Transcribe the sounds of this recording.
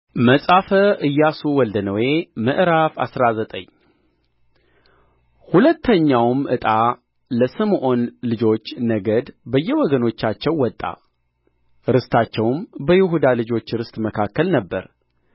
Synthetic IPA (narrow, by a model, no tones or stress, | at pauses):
məsʼafəʔɨjːasuwɔld̪ənəwe̞mɨʔɾafa̰sɾazət̪ʼə̰ɲː | hulət̪ːəɲːawmʔɨt̪ʼa | ləsɨmʔo̞nlɨd͡ʒo̞t͡ʃːnəɡəd̪bəjːɛwɔɡəno̞t͡ʃːat͡ʃːɛwːɔt̪ʼːa̰ | ɾɨst̪ʰat͡ʃːɛwmbəjɪɦud̪alɨd͡ʒo̞t͡ʃːɾɨst̪ʼməkʰakːəlnəbːə̰ɾ